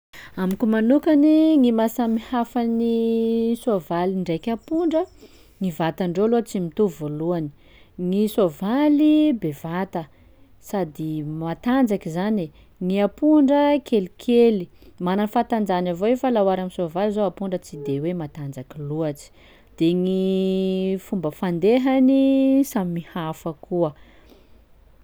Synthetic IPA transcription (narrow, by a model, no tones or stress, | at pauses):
amikʲumanukaniŋimasamihafanisovaliɳɖ͡ʐejkʲapuɳɖ͡ʐə | ŋivat̪aɳɖ͡ʐoluat͡simit̪uvoluani̥ | ŋisovalibevat̪ə | sad̪imat̪and͡zakizane | ŋiapuɳɖ͡ʐəkʰelikʰeli | mananfat̪and͡zanavoefalawaɾamisovalizoapuɳɖ͡ʐət͡sid̪ewemat̪and͡zakiluat͡si̥ | d̪̥eŋi | fumbəfand̪eɦanisamimihafəkuə